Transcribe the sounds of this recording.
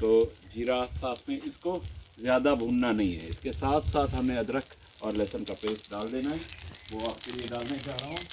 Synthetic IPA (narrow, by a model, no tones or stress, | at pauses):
t̪oːd͡ʒiːɾaːsaːt̪ʰmẽɪsko | zjaːd̪abʱũːnnanɐɦĩɦɛ̰ɪskesaːt̪ʰsaːt̪ʰɦɐmẽɐd̪ɾəkʰ | ɔːɾlɛːsənkapeːsɖaːld̪eːnaɦɛʋoaːpkelieɖaːlnaɦĩt͡ʃaːɦɾaɦõː